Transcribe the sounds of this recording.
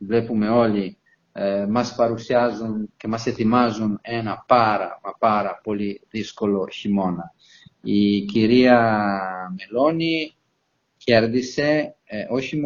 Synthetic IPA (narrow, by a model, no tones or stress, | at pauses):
vlepume̞o̞li | mɐspɐɾusjazunce̞mɐset̪imazunenɐpaɾɐ̰mɐpaɾɐpo̞liðisko̞lo̞çimo̞nɐ | iciɾiɐ | me̞loni | ceɾðise̞oçim